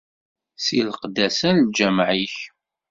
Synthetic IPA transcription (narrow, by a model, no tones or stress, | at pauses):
silqd̪ːæsænld͡ʒæmʕiç